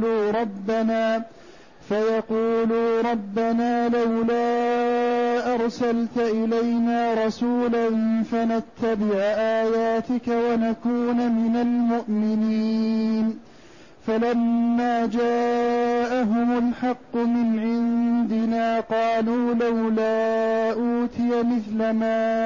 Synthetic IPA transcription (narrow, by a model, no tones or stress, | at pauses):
luːɾˤɑbːanaː | fajɑquːluːɾˤɑbːanaːlawlaː | ʔɑɾˤsalt̪ʔɪlajnaːɾˤɑsuːlanfanat̪ːabɪʕʔaːjaːt̪ɪkawanakuːnmɪnalmʊʔmɪniːn | falamːaːd͡ʒaːʔaɦʊmʊlħɑqːʊmɪnʕɪnd̪ɪnaːqɑːluːlawlaːʔuːt̪ɪjamɪθlamaː